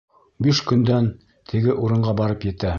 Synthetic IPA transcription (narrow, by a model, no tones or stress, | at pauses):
biʃkɵ̆nd̪æn | t̪ʰɘ̆ɡɘʔuɾɤ̆ɴɢɑbɑɾɤpjɘ̆t̪æ